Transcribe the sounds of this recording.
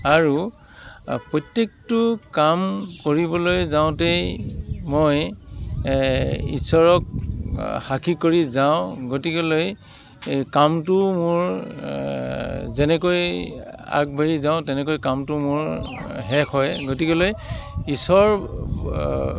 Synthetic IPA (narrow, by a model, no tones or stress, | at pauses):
aɹu | pɔtːek̚tʊkamkoɹibɔlojzaʊ̃te | moj | ḭsɔɹɔk̚ | xakʰikoɹizaʊ̃ɡotikeloj | kamtʊmʊɹ | zɛnɛkoj | a̰k̚bʱaɹizaʊ̃tɛnɛk̬ojkamtʊmʊɹɦɛkʰɔjɡotikelojisɔɹ